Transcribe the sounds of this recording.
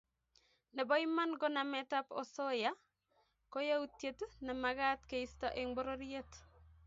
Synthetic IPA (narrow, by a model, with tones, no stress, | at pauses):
nɛ˨bɔ˦ima˦nɡɔ˦na˨mɛta˦pɔ̰˨so˦ja˦ | ko˦ja˦u˦tje˦tnɛ˨maɡa˦tke˨i˦staʔe˨ŋbo˦ɾo˦ɾie˦t